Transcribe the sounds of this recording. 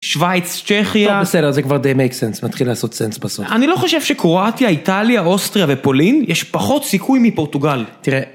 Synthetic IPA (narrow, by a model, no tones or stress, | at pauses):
ʃvajt͡st͡ʃeχjaesedeʁzekvaʁd̪ejmejksensmat̪χilaːso̞t̪sensbasofanilo̞χo̞ʃevʃekʁo̞atjaitaljaostʁijavepo̞linjɛʃpaχo̞t̪sikʰujmipo̞ʁtuɡaltiʁe